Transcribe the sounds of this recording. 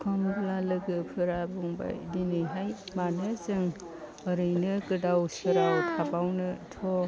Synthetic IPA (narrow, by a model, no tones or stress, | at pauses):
kʰɯmblalɯɡɯpʰɯɾabuŋba̰jdinɯjɦajmanɯzɯŋ | ɯɾɯjnɯkɯdawsɯɾawkʰabawnɯtʰɔ